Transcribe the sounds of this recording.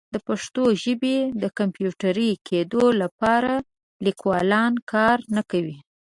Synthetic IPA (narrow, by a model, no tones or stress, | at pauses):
d̪əpaʂt̪oʒəbed̪əkampjuʈaɾəjkʰed̪olapɑɾa | likwɑlɑnkʰɑɾnakawi